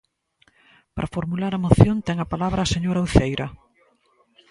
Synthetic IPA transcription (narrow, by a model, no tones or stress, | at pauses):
pɾʔɐfoɾmulaɾɐmoθjont̪ɛŋɐpalaβɾaːseɲoɾauθejɾɐ